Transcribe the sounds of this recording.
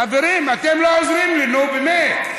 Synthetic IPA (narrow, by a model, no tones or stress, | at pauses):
aveɾimatɛmlɔzɾimlinobeme